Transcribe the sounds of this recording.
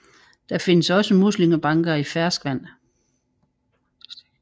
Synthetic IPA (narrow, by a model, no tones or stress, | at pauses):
d̥ɑ̈fe̝nəsɒ̽səmusliməb̥ɑ̈ŋɡ̥ɐifæɐsɡ̥ʋæn̰